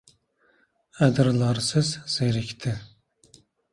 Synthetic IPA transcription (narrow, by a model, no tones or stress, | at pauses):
æd̪ɾlˠɑɾsɨzz̥eɾikʲt̪ʰɪ